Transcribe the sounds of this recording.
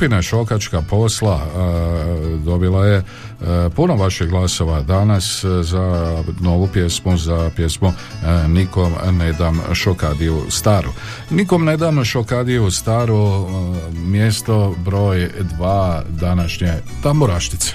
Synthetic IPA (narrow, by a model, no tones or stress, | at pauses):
pinaʃo̞kat͡ʃkapʰo̞sla | d̪o̞bilˠaje̞ | punoʋaʃiɡlˠaso̞ʋad̪anaszano̞ʋupje̞smuzapje̞smu | niko̞mne̞d̪amʃokad̪ijust̪aːɾu | niko̞mne̞d̪amʃokad̪ijust̪aːɾu | mje̞st̪o̞bɾo̞ːjd̪ʋaːd̪anaʃɲe | t̪ambuɾaʃt̪it̪se̥